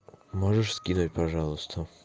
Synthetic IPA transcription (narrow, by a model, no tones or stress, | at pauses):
mɔʐəʂskʲinutʲpaʐɑlˠʊst̪ʰə